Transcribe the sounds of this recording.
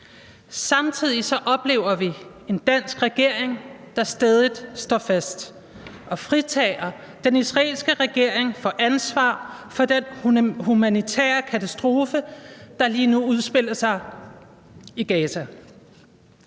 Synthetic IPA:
sɑ̈mt͡sʰið̞̰ˠisɒ̽ʔɒ̽b̥le̝̰ːʊɐʋi | e̝nd̥æn̰sɡ̥ʁɛɡ̥e̝ɐ̰eŋd̥ɑ̈sd̥ɛːð̞ˠid̥sd̥ɒfæsd̥ | ɒ̽fʁit͡sʰɛːɐ | d̥enisʁɑe̝̰ːlsɡ̥əʁɛɡ̥e̝ɐ̰e̝ŋfɒ̽ʔænsʋɑ̰̈ːfɒ̽d̥enhumænit͡sʰɛ̰ːɐkʰæt͡sʰæsd̥ʁo̝ːfəd̥ɑ̈liːnuuð̞ˠsb̥e̝l̰ɐsɑ̈ɪ | iɡ̥ɛːsʰæ

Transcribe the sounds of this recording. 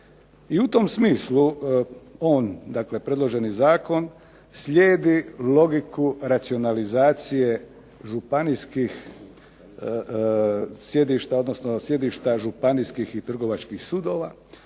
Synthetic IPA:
iut̪o̞msmiːslu | o̞ːnd̪akle̞pɾe̞d̪lˠo̞ʒe̞nizaːko̞n | slʲeːd̪ilo̞ɡikuɾat̪sio̞nalizaːt̪sije̞ | ʒupaniskix | sje̞d̪iʃt̪ao̞d̪no̞snosje̞d̪iʃt̪aʒupaniskixit̪r̩ɡo̞ʋat͡ʃkixsuːd̪o̞ːʋa

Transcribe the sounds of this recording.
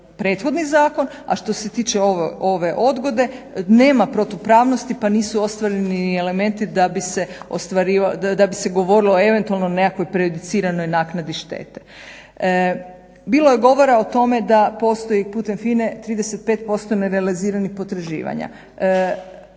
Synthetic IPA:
pɾe̞ːt̪xo̞d̪nizaːko̞n | a̰ʃt̪o̞se̞t̪iːt͡ʃeoʋo̞ʋe̞ʔo̞d̪ɡo̞d̪e̞ne̞ːmapɾo̞t̪opɾaːʋnost̪ipaniːsuo̞st̪ʋaɾeniele̞me̞nt̪id̪abise̞o̰st̪ʋaɾiʋad̪abise̞ɡo̞ʋo̞ɾiloe̞ʋe̞nt̪ualˠnonekakʋo̞jpɾiod̪it̪siːɾano̞jnaːknad̪iʃt̪e̞̰ːt̪e | biːlo̞je̞ɡo̞ʋo̞ɾaot̪o̞me̞d̪apo̞st̪o̞jipuːt̪e̞mfiːne̞t̪ɾiːd̪ese̞t̪̚pe̞ːt̪̚po̞st̪oneɾealiziːɾanixpo̞t̪ɾaʒḭːʋa̰ɲa̰

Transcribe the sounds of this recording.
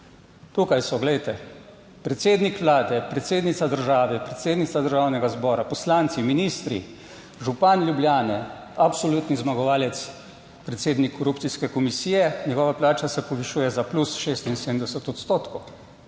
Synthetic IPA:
t̪ukajsɔɡlɛjt̪ɛ | pɾɛt̪seːd̪nikʋlaːd̪ɛpɾɛt̪seːd̪nit̪sad̪əɾʒaːʋɛpɾɛt̪seːd̪nit̪sad̪əɾʒawnɛɡazbɔːɾapɔslaːnt̪siminist̪ɾḭ | ʒupanlʲjubljaːnɛ | apsɔluːt̪nizmaɡɔʋaːlɛt̪s | pɾɛt̪seːd̪nikʰːɔɾuptsiskɛkɔmisiːjɛɲɛɡɔːʋaplaːt͡ʃasɛpɔʋiʃuːjɛzaplusʃeːst̪insed̪md̪ɛsət̪ɔt̪st̪oːt̪kɔw

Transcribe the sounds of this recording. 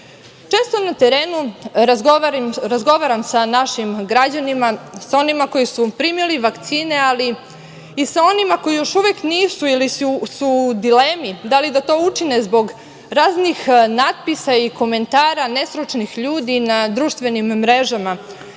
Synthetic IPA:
t͡ʃe̞ːst̪o̞nat̪eɾe̞ːnuɾazɡoaɾimɾazɡo̞ʋaɾamsanaʃimɡɾad͡ʑanimasao̞nimako̞jisupɾimiliʋakt̪siːne̞aliː | sao̞nimako̞jijo̞ʃuʋekniːsuilisusud̪ilemid̪alid̪at̪o̞ːut͡ʃine̞zbo̞ɡ | ɾaːznixnad̪̚pisaiko̞me̞nt̪aːɾane̞sɾut͡ʃnixʎuːd̪inad̪ɾuːʃt̪ʋe̞nimːɾeʒama

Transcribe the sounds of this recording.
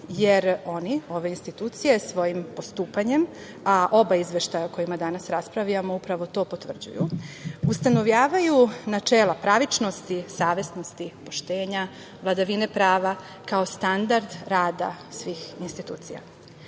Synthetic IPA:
jeɾo̞nio̞ʋe̞inst̪it̪uːt̪sije̞sʋo̞jimpo̞st̪uːpaɲe̞m | aʔo̞baizʋe̞ʃt̪ajaoko̞jimad̪anasɾaspɾaʋiamoupɾaʋo̞t̪o̞ːpo̞t̪ʋr̩d͡ʑṵjṵust̪ano̞ʋʎaːʋajunat͡ʃeːlapɾaʋit͡ʃno̞st̪isaːʋe̞sno̞st̪ipo̞ʃt̪e̞ːɲa | ʋlˠad̪aʋinepɾaːʋa | kao̞st̪and̪aɾd̪ɾaːd̪a̰sʋiːxinst̪it̪ṵːt̪sḭja̰

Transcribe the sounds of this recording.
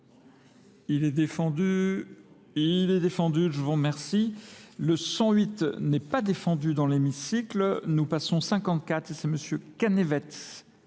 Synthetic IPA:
ilɛd̪efɑ̃d̪y | ilɛd̪efɑ̃d̪yʒəvuʁmɛʁsiləsɑ̃ɥit̪nɛpad̪efɑ̃d̪yd̪ɑ̃lemisiklnupasɔ̃sɛ̃kɑ̃t̪̚kʲat̪χesɛməsjøkanevɛt̪

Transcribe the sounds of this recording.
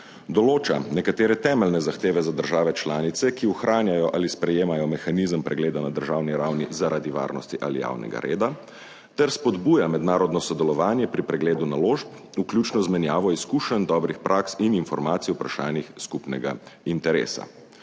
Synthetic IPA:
d̪ɔloːt͡ʃa̰nɛkat̪eːɾɛt̪ɛːmɛlnɛzaxt̪eːʋɛzad̪əɾʒaːʋɛt͡ʃlaːnit̪sɛkiuxɾʔaːnjajɔʔalispɾɛjeːmajɔmɛxanizəmpɾɛɡleːd̪anad̪əɾʒawniɾawnizaɾʔad̪iʋa̰ːɾnɔ̰st̪iʔa̰lija̰ːwnɛ̰ɡa̰ɾʔḛːd̪a | t̪ɛɾspɔd̪buːjamɛd̪naːɾɔd̪nɔsɔd̪ɛlɔʋaːnjɛpɾipɾɛɡleːd̪unaloːʃp | ukljut͡ʃnɔzmɛnjaːʋɔiskuːʃənd̪ɔːbɾixpɾʔaːksininfɔɾmaːt̪sijupɾaʃaːnixskupnɛɡa̰int̪ɛɾḛːsa̰

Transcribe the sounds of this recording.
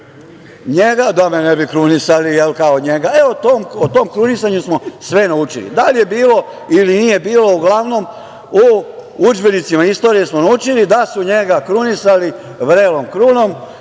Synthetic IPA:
ɲeɡad̪amenebikɾunisalijelkaoɲe̞ɡaeot̪omot̪o̞mkɾunisaɲusmo̞sʋe̞naut͡ʃḭlḭd̪alje̞biːlo̞ | ilinije̞biːlo̞uɡlaʋno̞m | uud͡ʒbe̞nit̪simaist̪o̞ːɾijesmonaut͡ʃilid̪asuɲeɡakɾunisali | ʋɾeːlomkɾuno̞m

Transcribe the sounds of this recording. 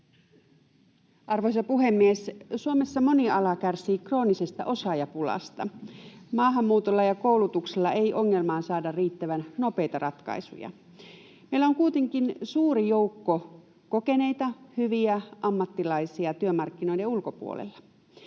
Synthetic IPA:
ɑrʋojs̬ɑpuɦe̞mːiessuome̞sːɑmo̞niɑlɑkærsiːkro̞ːnise̞st̪ɑ̰ʔo̞sɑjɑpulɑ̰st̪ɑmɑːɦɑmːuːt̪olːɑjɑkoulut̪ukselːɑʔejʔo̞ŋːe̞lmɑːnsɑːdɑrriːt̪ːæʋænno̞pe̞jt̪ɑrʔɑt̪kɑ̰jsṵjɑ̰ | meilæoŋkuit̪e̞ŋkinsuːɾijouwkːo | ko̞ke̞ne̞jt̪ɑhyʋiæʔɑmːɑt̪ːilɑisiɑt̪yømɑrkːinojdeulkopṵo̰lḛlːɑ̥

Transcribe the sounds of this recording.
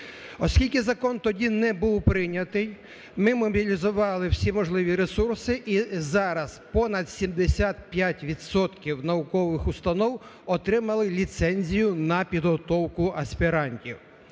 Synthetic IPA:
ɔsʲkʲilʲkʲɪzɐkɔnt̪ɔdʲinɛbuwpɾɪnʲɐt̪ɪj | mɪmɔbʲilʲizʊʋɑlˠɪwsʲimɔʒlˠɪʋʲiɾesursɪʔizɑɾɐzpɔnɐd̪sʲimd̪esʲat̪̚pʲjatʲʋʲid̪sɔt̪kʲiwnɐʋʊkɔʋɪxʊst̪ɐnɔwɔt̪ɾɪmɐlˠɪlʲit̪sɛnʲzʲijʊnɐpʲid̪ɦɔt̪ɔwkʊɐsʲpʲiɾɑnʲtʲiw

